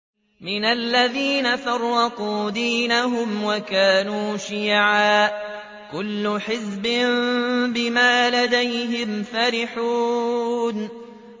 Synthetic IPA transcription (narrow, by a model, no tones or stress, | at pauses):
mɪnalːaðiːnaθɑɾˤːɑquːd̪iːnaɦʊmwakaːnuːʃɪjʕaːʔ | kʊlːʊħɪzbɪmbɪmaːlad̪ajɦɪmfaɾɪħuːn